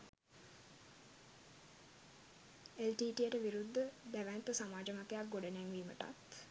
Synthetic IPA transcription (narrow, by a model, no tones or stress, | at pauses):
elʈiːʈijəʈəʋiɾud̪ʱːəd̪æʋænt̪əsamaːd͡ʒəmat̪ejak̚ɡoɖənæŋʋiːmə̰ʈa̰t̪